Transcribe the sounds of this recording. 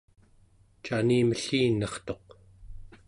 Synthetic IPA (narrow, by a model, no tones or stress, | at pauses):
t͡ʃaniːməɬiːnːʌχt̪o̞q